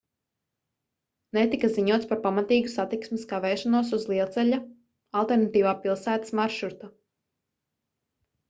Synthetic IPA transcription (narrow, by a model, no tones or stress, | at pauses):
nɛt̪ikaziɲuɔt̪spaɾpamat̪iːɡusat̪iksmɪskavɛːʃanuɔs̬uzlˠiɛlˠt̪sɛʎa | alˠt̪ɛɾnat̪iːvaːpilˠsæːt̪ḁsmaɾʃuɾt̪a